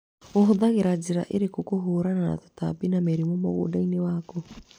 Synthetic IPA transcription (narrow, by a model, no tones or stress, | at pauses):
oɦoðaɣeɾad͡ʒeɾa̰ʔeɾekokoɦoɾanana̰to̥ta̰binameɾimɔmoɣo̰ːdainewaːko